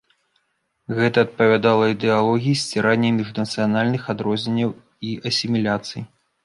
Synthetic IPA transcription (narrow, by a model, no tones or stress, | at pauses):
ɣɛt̪ɐːt̪̚pɐvʲad̪alˠɐid̪ɛalˠɔɣʲijisʲt͡sʲɛɾanʲːɐmʲiʐnɐt̪sɨjanalʲnɨxad̪ɾɔzʲnʲenʲːɐw | iʔɐsʲimʲilʲat̪sɨj